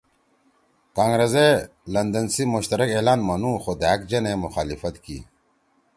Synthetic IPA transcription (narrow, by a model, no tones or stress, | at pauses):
kaːŋɡɾeze | lɐnd̪ɐnsimʊɕt̪ɐɾɐkeːlaːnmɐnũːxod̪akd͡ʑɐnemʊxaːlifɐt̪kḭ